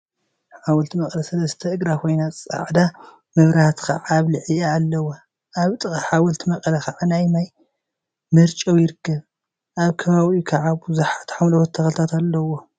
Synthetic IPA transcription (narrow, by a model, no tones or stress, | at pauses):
ħawɐlt̪ʰimɐkʼlɐsɐlɐst̪ʰɐɨɡɾakʰo̞jnat͡sʼa̰ʕd̪a | mɐβɾaht̪ka̰ʕaβlɨʕɨaːlːɐwo | ʔaβt̪ʼɨxʼɐħawɐlt̪ʰimɐkʼlɐxaʕanajmaj | mɨɾt͡ʃʼɐwjɪɾɨkʰːɐβ | ʔaβkʰɐβaβikʰaʕaβbuzuħat̪ʰħawlɐwɐt̪ʰːɐxɐlt̪ʰat̪alːɐwo